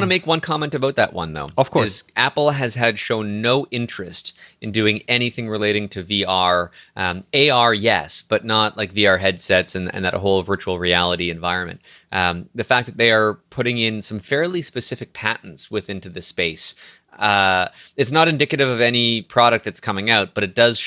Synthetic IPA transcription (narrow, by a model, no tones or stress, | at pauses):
nəmeɪkwʌ̃nkʰɑmɛ̃ntɨvoʊt̪̚ðɨʔ̚wʌ̰̃nðo̰ʊʌv̥kʰɔɪzæpl̩ˠɨz̥ɨd̥ʃõʊ̃nːoʊʔɪ̃nt͡ʃɹ̥ɨstɨ̃ndʉɪ̃ŋɛñiθɪ̃ŋɹɨleɪɾɪ̃ŋtʰɨviɑɹ | eɪɑɹjɛ̰sb̥ʌtⁿnət̚lʔaɪkviɑɹɦɛd̥sɛtsɨ̃nɨ̰̃nðɨɾʔə̰ɦoʊlˠvɜ˞t͡ʃul̩ˠɹiælˠəɾiɨ̃ɱvaɪɹɨ̃nmɨ̰̃nt̪̚ | ðɨfæk̚ðɨt̪̚ðeɪə˞pʰʊɾɪ̃ŋɪ̃nsʌ̃ɱfɛɹlˠispɨsɪfɨk̚pʰæʔn̩tswɨθɪ̃ntʉðɨspeɪs | ɨtsnəɾɨ̃ndɪkɨɾɨvʌvɛnipʰɹ̥ɑɾɨk̪̚ðɨtskʰʌmɪ̃ŋaʊt̚b̥ʌɾɨt̚d̥ʌz̥